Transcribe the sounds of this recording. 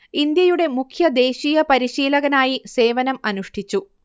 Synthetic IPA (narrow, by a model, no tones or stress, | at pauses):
ind̪jɐjuɽe̞mukʰjɐd̪e̞ːɕiːjɐpɐɾiɕiːlɐɣɐnaːjise̞ːʋɐnɐmɐnuʂʈʰit͡ɕːu